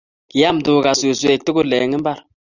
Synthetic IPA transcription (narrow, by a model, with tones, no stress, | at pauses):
ki˨ja˦˨mdo˨ɡa˨su˨su˦e˨k̚tu˦ɡo˦le˨ŋi˦m˦ba˦ɾ